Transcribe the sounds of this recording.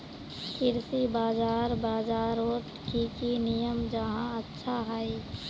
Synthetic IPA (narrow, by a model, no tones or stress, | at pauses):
kɪɾsibaːd͡ʒaːɾbaːd͡ʒaːɾot̪kikinijəmd͡ʒəɦãətːʃʰaɦai